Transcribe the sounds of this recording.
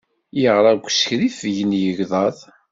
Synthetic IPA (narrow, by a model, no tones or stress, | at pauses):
jəʁɾˤɑɡʷsçɾifjənjəʝðˤɑðˤ